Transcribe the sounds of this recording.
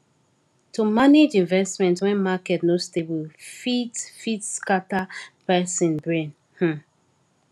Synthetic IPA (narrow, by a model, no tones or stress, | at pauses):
tʰumaned͡ʒĩɱvɛsmɛ̃ntwɛ̃nmakɛtnostebilfitfitskatapɛsĩnbɹẽn | h̩